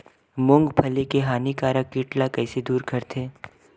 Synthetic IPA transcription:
mʊ̃ŋɡpʰɐlekeɦaːnikaːɾəkːiːʈlakɛːsed̪uːɾkʰɐɾt̪ʰeː

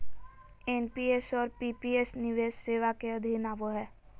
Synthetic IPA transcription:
enpiesɔɾpipiesniʋeʃseʋakeəd̪ʱinaːʋoɦɛː

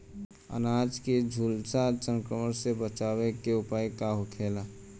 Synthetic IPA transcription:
ə̰naːd͡ʒked͡ʒʱuːlsasə̃ŋkɾəməɾsebət͡ʃaːwekeʊpaːjkaɦokʰeːla

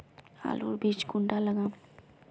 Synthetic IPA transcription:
a̰ːlo̰ːɾbʱiːt͡ʃɡʊɳɖaləɡãː

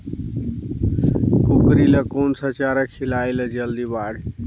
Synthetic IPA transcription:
kukɾiləkonsət͡ʃaɾəkʰːilailəd͡ʒəld̪ibaːɽ

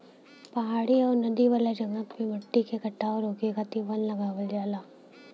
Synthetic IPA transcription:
pɐɦaːɽiɔːɾnɐd̪iʋaːled͡ʒɐŋətmẽmɐʈːikekɐʈːaːoɾoːkekat̪iʋɐnlɐɡaːʋəld͡ʒaːlaː

